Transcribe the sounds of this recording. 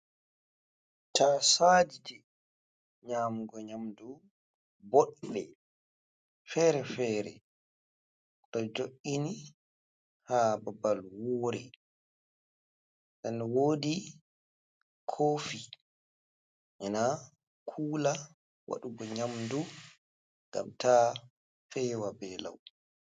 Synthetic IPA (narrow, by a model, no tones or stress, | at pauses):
tʰasadid͡ʒɛ | ɲaːmuɡɔɲamdu | boɗːɛ | fɛɾɛfɛːɾɛ̰ | ɗɔd͡ʒoʔːini | hababalwoːɾɛ | ɗɛnwoːdi | kʰoːfi | ʔɛna | kʰuːla | wa̰ɗuɡɔɲamdu | ŋɡa̰mtaː | fɛːwabɛla̰w